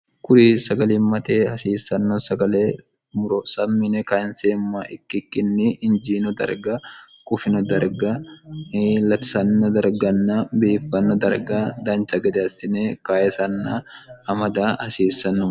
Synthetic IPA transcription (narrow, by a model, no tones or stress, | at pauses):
kʊɾisɐɡɐliːmːɐt̪eːhɐsiːsːɐnːɔsɐɡɐleː | mʊɾɔsɐmːɪnɛkaːɪnseːmːaːʔɪkːɪkːɪnːɪɪnd͡ʒiːnɔd̪ɐ̰ɾɡɐ | kʼʊfɪnɔd̪ɐɾɡɐ | lɐt̪ɪ̥sɐnːɔd̪ɐɾɡɐnːabeːfːɐnːɔd̪ɐɾɡad̪ɐnt͡ʃʼɐɡɛd̪ɛɐsɪnekaːjɛsɐnːaɐmɐd̪aːhɐsiːsːɐnːɔ